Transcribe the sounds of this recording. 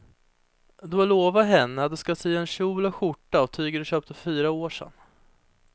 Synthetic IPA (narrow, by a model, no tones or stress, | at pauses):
d̪ɵaloːvaɦɛnːəd̪ɵskasiːaɛnɕuːlaɧʊʈːaɔt̪ʰyːɡəɖɵɕøːp̚t̪əfyːɾaoːʂɛ̰n